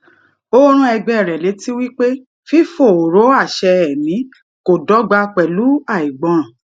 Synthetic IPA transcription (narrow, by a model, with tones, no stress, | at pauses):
o˦ɾ̃ũ˦ɛ˧ɡ͡bɛ˦˨ɾɛ˨le˨˦ti˦wi˦k͡pe˦ | fi˦fo˦˨o˨ɾo˨˦a˦˨ʃɛ˧ɛ˨mĩ˨˦ | ko˨dɔ˨˦ɡ͡ba˧k͡pɛ˨lu˨˦a˦˨i˨ɡ͡bɔ̃˧ɔ̃˨